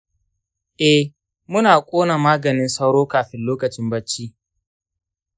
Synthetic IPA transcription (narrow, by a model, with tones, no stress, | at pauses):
ʔɛ˦h | mʊ˦naː˨kʷʼoː˦na˨maː˦ɡɐ˨nɪ˦nsɐ˦wɽoː˦kaː˨ɸɪ˦nloː˦kɐ˨t͡ʃɪ˦mbɐ˦t͡ʃːi˦ʔ